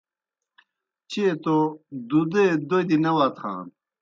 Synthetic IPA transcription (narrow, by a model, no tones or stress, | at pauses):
t͡ɕet̪od̪ud̪ed̪ojd̪inɐwat̪xʰa̰ːn